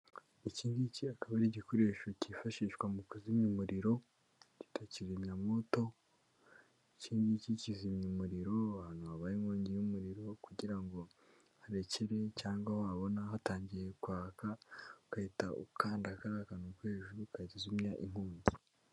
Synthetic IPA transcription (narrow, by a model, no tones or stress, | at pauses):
iciːndiciakaβaɾiɟiko̞ɾe̞ːʃocifaʃiːʃkwamukuzimumuɾiɾo̞ | ci̥tʰaciɾimɲamo̞to̞ | iciːndicicizimɲumuɾiɾo̞aːnuβaβajiŋoːɲɟejumuɾiɾo̞kuɟiɾaŋɡo̞ | haɾeceɾe̞caːŋɡahoaβo̞naɦataːɲɟije̞kwaːkaukahitaṵkʰaːndakaɾaːkanukwe̞ːʒuɾukatizumɲaʔim̥huːɲɟi